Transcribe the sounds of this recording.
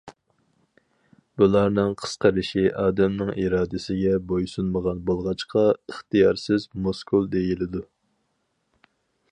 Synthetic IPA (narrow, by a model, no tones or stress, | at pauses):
bulˠɑɾnɨŋqʰə̥sqəɾɨʃiʔɑːd̪ɛmnɪŋiɾɑːd̪ɪsɪɡʲɛbojsunməʁɑnbolˠʁɑt͡ʃqɑəχt̪ijɑɾsɪzmoskʰulˠd̪ejilɪd̪u